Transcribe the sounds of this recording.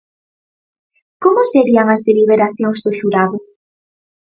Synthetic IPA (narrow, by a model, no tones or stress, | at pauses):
komʊseɾiaŋɐzðeliβ̞eɾaθjõŋzðʊʃuɾaðʊ